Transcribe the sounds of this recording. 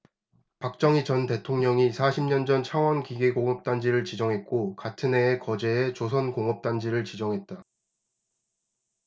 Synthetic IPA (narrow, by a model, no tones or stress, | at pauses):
pak̚t͡ɕ͈ʌŋit͡ɕʌnte̞tʰoŋɲʌŋisʰaɕʰimɲʌnd͡ʑʌnt͡ɕʰaŋwʌnkiɡeɡoŋʌp̚t͈and͡ʑiɾɯɭt͡ɕid͡ʑʌŋɦe̞t̚k͈okatʰɯne̞ːkʌd͡ʑe̞ːt͡ɕos̬ʰʌnkoŋʌp̚t͈and͡ʑiɾɯɭt͡ɕid͡ʑʌŋɦe̞t̚t͈a